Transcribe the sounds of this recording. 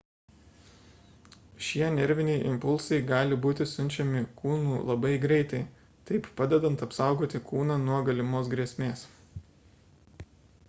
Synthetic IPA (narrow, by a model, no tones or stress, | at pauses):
ʃʲiɛɛnʲɛɾʲʋʲɪnʲɛɪʔɪ̰mpʊlˠsɐɪɡɑːlʲɪbuːt̪ʲɪsʊnʲt͡ʃʲɛmʲɪkʰuːnuːlˠɐbɐɪɡɾʲɛɪt̪ɐɪ | t̪ɐɪppɑːd̪ʲɛd̪ɐnt̪ɐpsɑˑʊɡoːt̪ʲɪkuːnɑnuɔɡɐlʲɪmoːs̬ɡɾʲiɛsʲmʲeːs